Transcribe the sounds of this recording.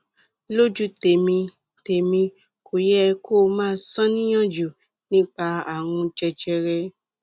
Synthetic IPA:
lo˦d͡ʒu˦te˨mĩ˧ | te˨mĩ˧ | kʰo˨jɛ˦kʰoː˦˨mãː˦sã˦nĩ˦j̃ɔ̃˦˨d͡ʒu˨ | nĩ˦k͡pa˧a˨w̃ũ˧d͡ʒɛ˧d͡ʒɛ˧ɾɛ˧

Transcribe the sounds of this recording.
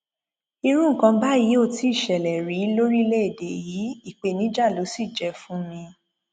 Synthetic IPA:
i˧ɾ̃ũ˦ŋ̩˦˨kã˧ba˦ji˨˦o˦˧˨ti˨˦i˦˨ʃɛ˨lɛ˨ɾi˨˦lo˦ɾi˦le˦e˦˨de˨ji˨˦i˦˨k͡pe˨˧nĩ˨˦d͡ʒa˦˨lo˨˦si˦˨d͡ʒɛ˨˧˦fũ˦mĩ˧

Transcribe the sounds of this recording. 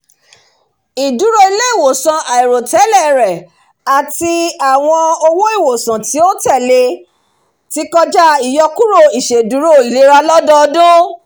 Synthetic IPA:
i˨du˨˦ɾo˦i˧le˦i˦˨wo˨sã˨ʔa˨i˨ɾo˨tɛ˨˦lɛ˦˨ɾɛ˨ | a˨ti˧a˨w̃ɔ̃˧o˧wo˦i˦˨wo˨sã˨ti˨˦o˦tɛ˦˨le˧ | ti˨˦kɔ˦d͡ʒa˦i˨jɔ˧ku˦ɾo˦˨i˨ʃe˨du˨˦ɾo˦˨i˨le˨˦ɾa˧lɔ˦dɔ˦˧dũ˦

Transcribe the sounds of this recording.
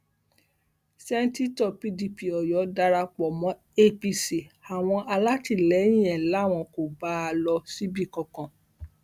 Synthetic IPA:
sɛ˦n̩˦ti˦tɔ˦˨pi˧di˧pi˨ɔ˨jɔ˨˦da˧ɾa˧k͡pɔ˨mɔ̃˨˦ | e˦pi˧si˨a˨w̃ɔ̃˧ʔa˧la˦ti˦˨lɛ˨˦j̃ĩ˦ɛ˨la˨˦˨w̃ɔ̃˧ko˨ba˨˦a˧lɔ˧si˦bi˦˨kɔ̃˧˨kɔ̃˨

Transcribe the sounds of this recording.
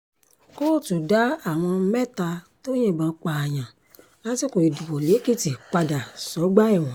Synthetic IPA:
ko˦˨tu˨da˨˦a˦˨w̃ɔ̃˧mɛ˦˨ta˧tõ˦ĩ˦˨ɡ͡bã˨˦k͡pa˧˨a˨j̃ã˨ | a˦ti˦ko˨i˨du˨bɔ˨le˨˦ki˦˨ti˨k͡pa˧da˨sɔ˨˦ɡ͡ba˦ɛ˦˨w̃ɔ̃˨

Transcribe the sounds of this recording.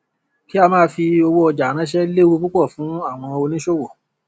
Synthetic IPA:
ki˦a˧mãː˦˧fi˧o˧wo˦ɔ˧d͡ʒa˨˦ɾ̃ã˨˦ʃ̬ɛ˦le˦wo˦˧ku˦k͡pɔ˦˨fũ˨˦a˦˨w̃ɔ̃˧o˧nĩ˦ʃo˦wo˨

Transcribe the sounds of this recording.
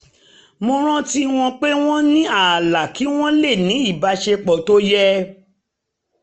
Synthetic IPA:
mo˧ɾ̃ã˦ti˦w̃ɔ̃˧k͡pe˦w̃ɔ̃˦nĩ˦a˦˨la˨ki˨˦w̃ɔ̃˦le˦˨nĩ˨˦i˦˨ba˨˧ʃe˧k͡pɔ˨to˦jɛ˦

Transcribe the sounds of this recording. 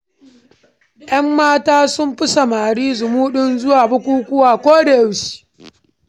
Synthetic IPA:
jʔɐ˦mːaː˦taː˦sʊ˦mɸɪ˦sa˨maː˨ɽiː˦zʊ˨muː˦ɗʊ˦nzʊ˦waː˨bʊ˦kʷuː˦kʷʊ˦waː˨kʷoː˦da˨jʊ˦ʃi̥ː˨

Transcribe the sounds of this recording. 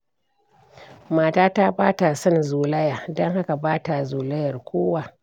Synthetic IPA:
maː˨taː˦ta˦baː˦ta˨sɔ˦nzuː˨lɐ˦ja˨dɐ˦ŋha˦ka˨baː˦ta˨zuː˨lɐ˦jɐ˨rkʷoː˦wa˨

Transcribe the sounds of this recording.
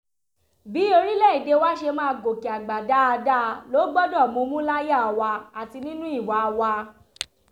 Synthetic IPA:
bi˨˦o˧ɾi˦lɛ˦˨i˨de˨˧wa˦ʃe˧mãː˦˧ɡo˨ki˨a˨ɡ͡ba˨da˨˦a˧da˦lo˨˦ɡ͡bɔ˦dɔ˦˨mõ˨˧mũ˦la˦ja˦˨a˨wa˧a˨ti˧nĩ˦nũ˦i˦˨wa˨˦˧wa˧

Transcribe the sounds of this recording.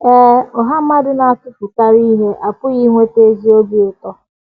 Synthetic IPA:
ɛ˦ɔ˨ɦa˦m̩˦a˦dɪ˦na˨a˨tʊ˦fʊ˨ta˦ɾi˦ɦe˦ʔa˨pʊ˦ɣi˦ŋʷe˦te˦zi˦o˦bi˦ʊ˨tɔ˦

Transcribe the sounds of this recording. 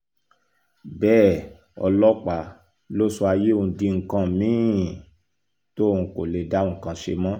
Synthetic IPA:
bɛː˦˨ | ɔ̰˧lɔ˦k͡pa˨ | lo˦so˧a˧je˦ũ˧dĩ˧ŋ̩˨kã˧˨mĩ˦ | to˦˨ũ˧ko˨le˨da˨˦ũ˦˨kã˧ʃḛ˧mɔ̃˦

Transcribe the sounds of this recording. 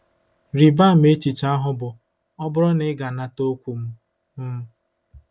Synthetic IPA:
ɾi˨ba˦˨m̩˦e˦t͡ʃi˨t͡ʃa˦ɦʊ˦bʊ˨ | ɔ˦bʊ˦ɾɔ˦nɪ˦ɡa˨na˦to˦kʷu˨m̩˦ | m̩˦

